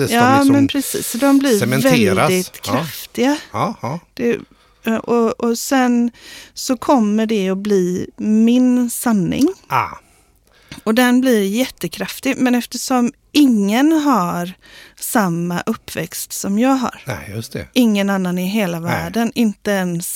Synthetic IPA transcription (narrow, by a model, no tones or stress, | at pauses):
jɑːmɛnpʰɾɛsḭːsːɔd̪ɔmblɪɾɛvɛlːɾd̪ɪt̪kʰɾaft̪ɪɡa | d̪̥ɛ | ʔɔɔsɛnsɔkʰɔmːəɖɛɔbliːmɪnsanːɪ̰ŋ | ɔd̪ɛnblɪɾjɛt̪ːəkʰɾaft̪ɪɡmɛnɛft̪əʂɔm | ɪŋːənɦaɾsamːa̰ʔɵpːvɛ̰kst̪sɔmjɑːɡɦa̰ɾnɛ̰jɵst̪ɛ̰ʔɪŋːənanːanɪɦeːlavæːɖənʔɪnt̪əɛns